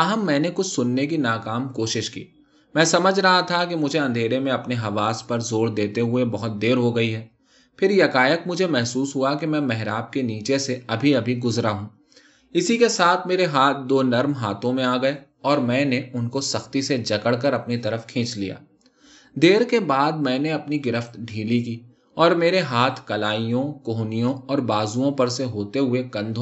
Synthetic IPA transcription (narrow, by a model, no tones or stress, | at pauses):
ɐɦəmːɛ̃ːnekʊt͡ʃʰsʊnːek̬inaːkaːmkoːʃɪʃkḭː | mɛ̃ːsɐməd͡ʒʱɾɐɦat̪ʰakemʊd͡ʒʱeɐ̃nd̪ʱeːɾemẽɐpneɦɐʋaːspɐɾzoːɽd̪eːt̪eɦʊebɐɦʊt̪̚d̪eːɾɦoɡɐiɦɛː | pʰɪɾjɐkaːjəkmʊd͡ʒʱemɛɦsuːsɦʊakemɛ̃ːmɛɦɾaːp̚keniːt͡ʃeseɐbʱiɐbʱiɡʊzɾaɦũː | ɪsikesaːt̪ʰmeːɾeɦaːt̪̚ʰd̪oːnɐɾmɦaːt̪ʰõmẽaːɡɐe | ɔːɾmɛ̃ːneʊnkosɐxt̪ised͡ʒɐkəɽkɐɾɐpnit̪ɐɾəfkʰẽːt͡ʃlḭja̰ː | d̪eːɾkebaːd̪̚mɛ̃ːneɐpniɡɪɾəft̪ɖʱiːlikiː | ɔːɾmeːɾeɦaːt̪ʰkɐlaːijõkoːɦnijõɔːɾbaːzũõpɐɾseɦoːt̪eɦʊeɡɐ̃nd̪ʱo